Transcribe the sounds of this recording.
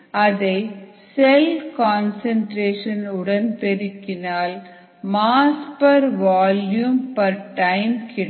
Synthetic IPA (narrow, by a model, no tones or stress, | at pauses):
ɐðɐɪ | sɛlkaːnsɐɳʈɾeːʂɐnʊɽɐnt̪ɛɾɪkːɪnaːl | maːspɐɾʋaːljumpɐɾʈɐɪmkɪɽ